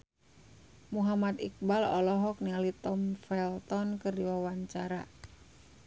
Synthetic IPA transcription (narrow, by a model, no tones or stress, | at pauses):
muɦamat̪ik̚balɔlɔɦɔk̚nialit̪ɔmfɛlt̪ɔnkɨrdiwawaɲt͡ʃaɾa